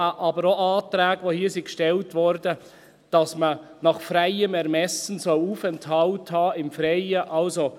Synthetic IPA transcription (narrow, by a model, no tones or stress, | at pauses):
ʔɑbəɾoʔɑːtɾæːɡʋohiːsikʃtɛltʋɔɾdə | d̥ɑsmə | nɑχfɾaɪəmɛɾmɛsən̩sɔluːfɛnthɑlthɑːɪmfɾeɪəʔɑlso